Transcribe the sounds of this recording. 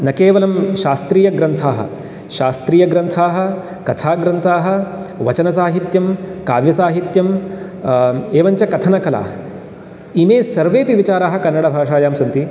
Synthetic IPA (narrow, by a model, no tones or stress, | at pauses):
nɐkeːʋɐlɐmʃaːst̪ɾiːjɐɡɾɐnt̪ʰaːɦɐ̰ | ʃaːst̪ɾiːjɐɡɾɐnt̪ʰaːɦɐ̆ | kɐt̪ʰaːɡɾɐnt̪ʰaːɦɐ̆ | ʋɐt͡ʃɐnɐs̬aːɦit̪jɐmkaːʋjɐsaːɦit̪jɐm | eːʋɐɲt͡ʃɐkɐt̪ʰɐnɐkɐla̰ː | imeːsɐɾʋeːpiʋit͡ʃaːɾaːɦɐ̆kɐnːɐɽɐbʱaːʂaːjaːmsɐnt̪i